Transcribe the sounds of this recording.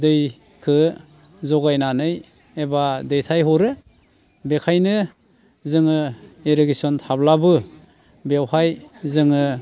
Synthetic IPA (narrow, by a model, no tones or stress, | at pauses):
dɯj | kʰɯ | zɔɡajnanɯj | ebadɯjtʰajɦɔɾɯ | bekʰajnɯ | zɯŋɯeɾeɡesɔntʰablabɯ | bewhajzɯŋɯ